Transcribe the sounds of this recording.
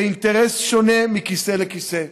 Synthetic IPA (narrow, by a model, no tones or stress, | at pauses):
int̪eʁesʃonemikiselekise